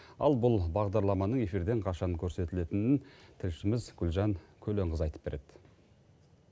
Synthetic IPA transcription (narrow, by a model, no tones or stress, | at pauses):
ɑ̰lˠbʊlˠbɑʁd̪ɑɾlˠɑmɑnəɴe̞fiɾd̪e̞ɴqʰɑʃɑŋkʲʰɵɾse̞t̪ɪle̞t̪ɪnɪnt̪ʰɪlʃɪmɪzɡʲʏlʒɑŋkʲʰɵle̞ɴʁəzɑjt̪ə̥pbe̞ɾe̞d̪̥ɪ